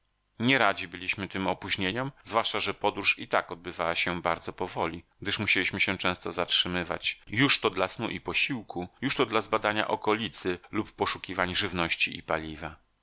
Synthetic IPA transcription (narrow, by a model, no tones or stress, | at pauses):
ɲɛɾad͡ʑibɘlʲiɕmɘt̪ɘmɔpuʑɲeɲɔmzvwaʂt͡ʂaʐɛpɔd̪ɾuʂit̪akɔd̪̚bɘvawaɕɛbaɾd̪zɔpɔvɔlʲiɡ̚d̪ɘʂmuɕelʲiɕmɘɕɛ̃t͡ʂɛ̃w̃st̪ɔzatʂɘmɘva̰t͡ɕjuʂt̪ɔd̪lasnuʔipɔɕiwkujuʂt̪ɔd̪lazbad̪aɲa̰ʔɔkɔlʲit̪sɘlupːɔʂukʲivaɲʐɘvnɔɕt͡ɕiḭpalʲiva